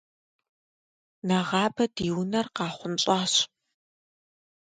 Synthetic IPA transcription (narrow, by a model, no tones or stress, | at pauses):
nɐʁɑːbɐdiːwnɐrqɑːχʷʊnɕʼɑːɕ